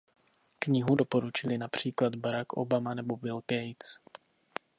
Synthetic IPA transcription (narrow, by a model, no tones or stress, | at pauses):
kɲɪɦudo̞po̞ɾut͡ʃɪlɪnapr̝̥iːklad̪baɾakʔo̰bamanɛbo̞bɪlkɛjt͡s